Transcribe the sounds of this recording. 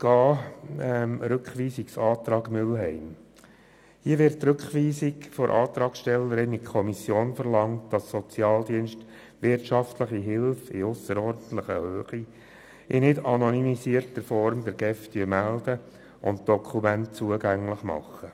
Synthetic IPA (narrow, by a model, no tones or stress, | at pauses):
ɡ̥ɑːɛmɾʏkχʋiːsiksɑːt̪ɾɑːɡmʏlɦɛɪm | hiəʋɪɾttːɾɵkχʋiːsiɡfɔɾʔɑːt̪ɾɑːksʃtɛlːəɾɪnikʰɔmisjoːnfəɾlɑŋt̚d̥ɑsːɔt͡sjɑːld̪iənʃt | ʋɪrtʃɑftləχiɦɪlfɪ̰ʊsəɾɔɾdən̩t̪ləχəhøːχi | ʔɪnɪdɑnɔnymisiəɾtəfɔɾmd̪ɛɾɡ̥ɛfdyəɾmæld̥ə | ʔʊ̰nt̚d̥ɔkʰumænt̚t͡suəɡæŋlɪχmɑ̰χːə